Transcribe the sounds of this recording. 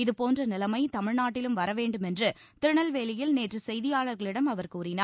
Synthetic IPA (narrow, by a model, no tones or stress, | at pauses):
ɪðɯpoːndrɐnɪlɐmɐɪt̪ɐmɪɻnaːʈːɪlɯmʋɐɾɐʋeːɳɖɯmɛndrɯ | t̪ɪɾɳɐlʋeːlɪjɪlneːʈrɯsɛjðɪjaːɭɐɾɣɐɭɪɽɐmɐʋɐɾkuːɾɪnaː